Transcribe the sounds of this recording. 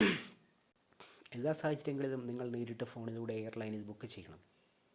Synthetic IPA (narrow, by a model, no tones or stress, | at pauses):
e̞ðːaːsaːd̪ʱit͡ɕːɐɾjɐŋːɡɐɭilumniŋːɐɭneːɾiʈːɨfo̞ːɳiðuːɽe̞eːɐrlɐjnilbukːɨt͡ɕe̞jːɐɳɐm